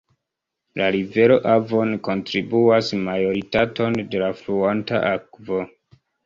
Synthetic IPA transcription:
laɾive̞ɾo̞ʔavo̞nko̞ntɾibuasmajo̞ɾitato̞nde̞lafluanta̰ʔakvo̞

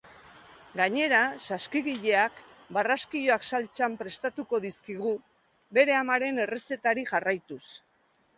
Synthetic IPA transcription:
ɡaɲe̞ɾasaskiɣiʎe̞ak | baraskio̞aksalt͡ʃampɾe̞st̪at̪uko̞ðiskiɣ̞u | βe̞ɾe̞amaɾe̞ne̞re̞se̞t̪aɾiʝarajt̪us

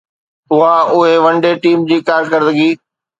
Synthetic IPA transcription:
ʊɦaʊɦeʋɐ̃ɳɖeʈiːmd͡ʑiːkaːɾkəɾd̪əɡiː

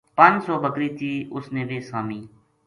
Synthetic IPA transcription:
pə̃nd͡ʒsɔːbəkɾiːt̪ʰiːʊsneːbeːsaːmiː

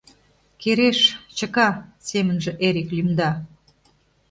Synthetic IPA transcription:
keɾeʃt͡ɕəkɑsemənʒĕʔeɾiklymd̪ɑ

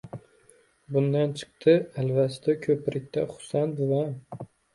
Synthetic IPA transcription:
bʊnd̪ant͡ʃʰɨ̥qt̪ʰɨalvast̪akʲʰɵpɾʔɪk̚ʲt̪aχʊ̥sant̪va

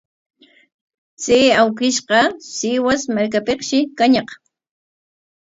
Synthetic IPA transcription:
t͡seːawkɪʃqɑsɪwasmaɾk̬apeqʃɪkaɲɑq

